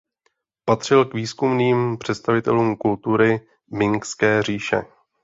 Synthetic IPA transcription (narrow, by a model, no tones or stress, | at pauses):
pat̪r̝̥ɪlkviːskumniːmpr̝̥ɛt̪st̪avɪt̪ɛ̰luːmkult̪uɾɪ | mɪŋkskɛːr̝iːʃɛ̰